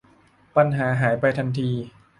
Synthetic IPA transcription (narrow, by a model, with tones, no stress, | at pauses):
pa˧nɦaː˩˦ɦaː˩˦jpa˧jt̪ʰa˧nt̪ʰiː˧